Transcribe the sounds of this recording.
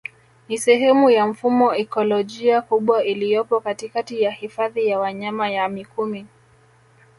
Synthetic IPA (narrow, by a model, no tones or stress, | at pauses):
nisɛɦɛmujam̩fumɔɛkɔlɔʄiakuɓwailijɔpɔkatikatijahifaðijawaɲamajamikumi